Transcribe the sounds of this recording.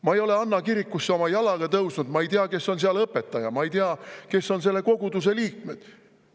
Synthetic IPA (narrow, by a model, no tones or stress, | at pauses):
mɑejo̞le̞ɑnːɑkiɾikːˑusːeo̞mɑjɑlɑɡ̥ɑt̪ɤwsnud̪̥mɑe̞jt̪eɑke̞sːo̞ns̬eɑlɤpːˑe̞t̪ːˑɑjɑmɑejt̪eɑke̞sːo̞ns̬e̞lːe̞ko̞ɡ̥ud̪us̬e̞liːk̚me̞d̪̥